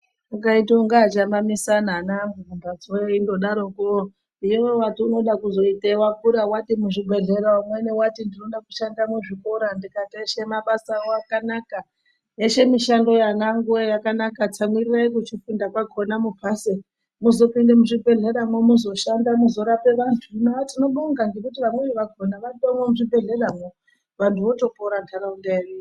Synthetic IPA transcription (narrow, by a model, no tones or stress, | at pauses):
akaitoŋɡaːt͡ʃamamisananaŋɡuvumbad͡zojindo̞ɗaɾoko | ijewewatiuno̞ɗakuzo̞itewakuɾawatimuʐiɡʱe̞ɮe̞ɾaamwene̞watindino̞ɗaku̥ʃandamuʐiko̞ɾandikateʃemaɓasaoakanaka | jeʃe̞miʃando̞jaŋɡaŋɡuejakanakat͡samiriraikut͡ʃifundakwaɡʱo̞namub͡vʱase | muzo̞pindemuʐibʱe̞ɮe̞ɾamomuzo̞ʃandamuzo̞ɾape̞ʋantʰunoʋatino̞ɓoŋɡanɡe̞kutiʋamweʋeʋaɡʱo̞naʋatamwemuʐibʱe̞ɮe̞ramo | ʋantʰuʋo̞to̞poɾantʰaɾaundeenu